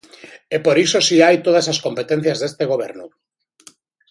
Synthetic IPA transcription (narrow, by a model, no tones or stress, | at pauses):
epoɾisosiajt̪oð̞asaskompet̪en̟θjazðest̪eɣ̞oβ̞ḛɾnu